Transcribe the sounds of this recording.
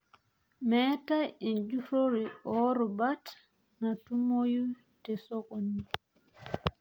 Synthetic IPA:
mɛːtaɛnd͡ʒufoɾiʔɔːɾɔbat | natumoju | tɛsɔkoni

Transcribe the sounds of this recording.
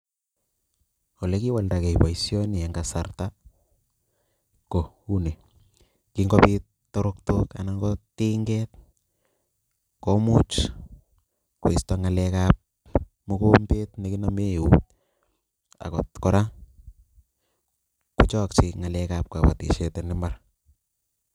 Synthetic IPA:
ɔlɛkiwaldakɛjpaisjɔniaŋɡasarta | ko | une | kiŋɡɔpit | tːoɾok̚tokanaŋɡɔtiŋɡɛt̚ | komut͡ʃ | kuistaŋalɛkap̚ | mukombetnekinameut | a̰kɔtkɔɾa | kut͡ʃɔkt͡ʃiŋalɛkap̚kapa̰tḭʃetɛnɪmar

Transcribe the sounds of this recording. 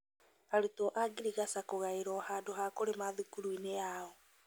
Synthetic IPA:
aɾutɔʔaɡiɾiɣasakoɣaeɾɔhadoɦakoɾemaðukuɾuineaɔ

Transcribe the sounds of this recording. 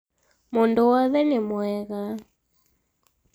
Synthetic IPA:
mʊndʊwɔðɛnemwɛɣa

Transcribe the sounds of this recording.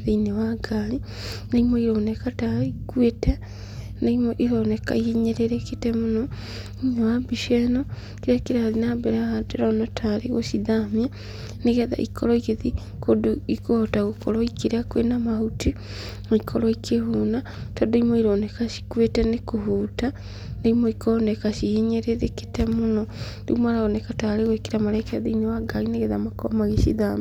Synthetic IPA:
ðeinewaɡali | naimɔiɾoːnekataikwetɛ | naimoʔiɾoneka̰ieɲeɾeɾeketemonɔ | iɲewabiʃɛnɔ | kiɾakiɾalinabeɾahadeɾanɔtʰaɾeɣo̰ʃiðamja | neɣɛða̰ʔikʰɔɾɔikeði | kodoikohotaɣokoɾɔikiɾeakwenamahuti | moikʰɔɾɔikʰehuna | todoimoiɾonekaʃi̥kwetɛnekohuːta | naimoikonekaʃijeɲeɾeðeki̥temunondiɣumaɾaɣonekataɾeɣokiɾamaɾɛkaðiiɲowaɡaɣineɣeðamako̰maɣeʃḭðam

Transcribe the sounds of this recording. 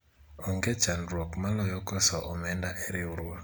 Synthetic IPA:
ɔŋɡet͡ʃandɾwokmalɔjɔkɔsɔʔɔmɛndaʔeɾɪuɾwo

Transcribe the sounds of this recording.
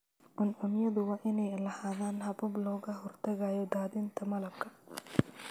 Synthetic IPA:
ʔʊnʔʊnɪjɐðʊwɑːʔɪnɛjlɐhaːðaːnɦɐbʊblɔːɣɐɦɔrt̪ʰɐɣajɔd̪aːðɪnt̪ʰɐmɐlɐbkʰɐ

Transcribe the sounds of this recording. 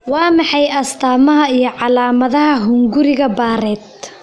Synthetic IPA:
wɑːmɑħɑjɐst̪ʰaːmɐɦɐijɞʕɑlaːmɐðɐɦɐɦʊŋɡʊɾɪɣɐbaːɾɛːd̪̚

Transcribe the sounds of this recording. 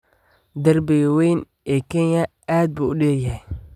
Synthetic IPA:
d̪ɐrbɛɣwɛjn | ɛːkʰɛnjɐ | aːd̪̚buːʊɗɛːjɐɦɛj

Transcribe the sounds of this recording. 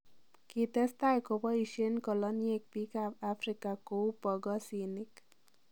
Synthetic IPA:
kit̪ɛst̪ajkobɔiʃenkɔlɔnijek̚pikapafɾikakopɔɡɔsinik

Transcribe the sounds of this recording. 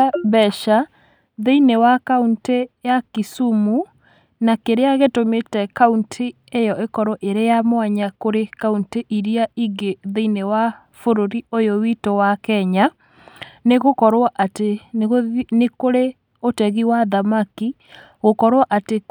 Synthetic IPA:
βɛʃa | ðeinewakauntejakisumu | nakeɾeaɣetometɛkauntʰi | ejɔʔekɔɾɔʔeɾejamwaɲakoɾekaunteʔiɾiaiɡeðeinewa | foɾoɾiojowitowakɛɲa | neɣokɔɾwaʔateɣnekoɾe | otɛɣiwaðamaki | ɣokɔɾwaʔate

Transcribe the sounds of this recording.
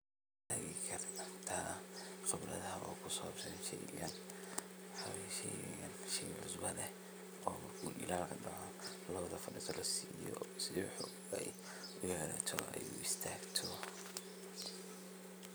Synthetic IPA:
t̪ʰaːɣɪkʰɐrrt̪ʰaχɛblɐðɐɦɐɔːkʰʊsɔːbsɐʃɛjɡɐnwħɑwɛʃɛjɐnʃɛʕʊsbɐlɛ | ɔːmɐrkʰuːʔɪ̰laːlkʰɐɖɐʕɔ | lɐβɐðɐfɐɖɪsɐlɔsijɔsɪwħɔ | ɛj | ʊjɛɾaːɐt̪ʰɔɛjuːɪst̪ʰaːɡt̪ʰɔ

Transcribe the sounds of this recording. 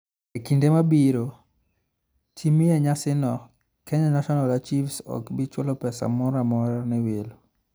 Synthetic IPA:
ekindemabiɾo | t͡ʃimɪɛɲasɪnɔ | kʰɛɲanaʃɔnalat͡ʃifsɔ̰kbit͡ʃwɔlɔpɛsa̰mɔɾamɔɾanɛwelo

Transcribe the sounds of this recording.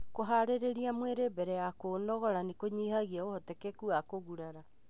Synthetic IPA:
koɦaɾeɾeɾiamweɾebɛɾɛjakoːnɔɣɔɾanekoɲihaɣiaohɔtɛkɛkuakoɣuɾaɾa

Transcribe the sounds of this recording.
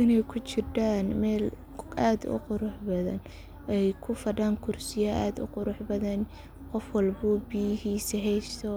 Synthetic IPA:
ʔɪnɛjkʰʊt͡ʃɪrdaːnmɛːl | aːd̪ʊ̰qʊɾʊħbɐðɐ̰n | ɛjkʰʊfɐɖaːŋkʰʊrsɪjaaːd̪ʊ̰qʊɾʊħbɐðɐn | qɔfwɐlbʊbijɪɦiːsɛɦɛjst̪ʰɔ

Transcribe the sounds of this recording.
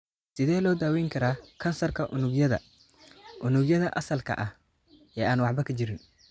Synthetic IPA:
sɪðɛːlɔːd̪aːwɛjŋkʰɐɾaːkʰɐnsɐrkʰɐʔʊnʊɡjɐðɐ̰ | ʔʊnʊɡjɐðɐʔɐsɐlkʰɐ̰ʔɐh | ɛːaːnwɑʕbɐkʰɐd͡ʒɪɾɪn

